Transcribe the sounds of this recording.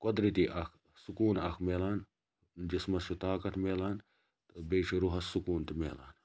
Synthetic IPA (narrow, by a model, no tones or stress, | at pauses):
kod̪ɾit̪iʔɐkʰ | sukuːnɐkʰmeːlaːn | d͡ʒismɐst͡ʃut̪aːkɐt̪meːlaːn | beːʃʰiɾuɦɐsːukuːnt̪imḛːla̰ːn